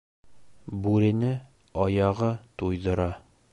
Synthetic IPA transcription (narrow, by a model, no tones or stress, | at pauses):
bʉɾɘ̆nɘ | ɒjɑʁɤt̪ujðɤ̆ɾɑ